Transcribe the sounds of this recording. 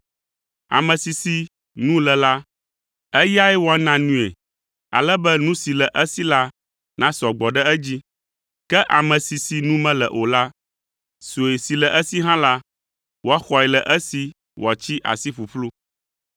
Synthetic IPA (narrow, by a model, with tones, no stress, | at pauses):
a̰˨mɛ̃˨si˨si˦ | nũ˦lɛ˨la˦ | ɛ˦ja˦ɛ˦wɔ˨ɛ˦nã˨nũ˦ḛ˨ | a̰˨lɛ˦bɛ˦nũ˦si˨lɛ˨ʔə˦si˦la˦ | nã˦sɔ˨ɡ͡bɔ˨ɖɛ˦ɛ˦d͡ʑi˦ | kɛ˦ʔa˨mɛ̃˨si˨si˨nũ˦mɛ̃˦lɛ˨ʔo˨la˦ | so˨e˨si˨lɛ˨ʔə˦si˦ɦã˦la˦ | wo˨˦a˦xɔ˨ɛ˨lɛ˨ʔɛ˦si˨ | wɔ˨t͡ɕi˦ʔa̰˨si˦ɸu˨ɸlu˦